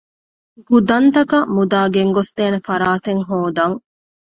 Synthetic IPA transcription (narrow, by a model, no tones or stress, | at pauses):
ɡud̪ɐnt̪ɐkɐmud̪aːɡeŋɡost̪eːnefɐɾaːt̪eŋɦoːd̪ɐŋ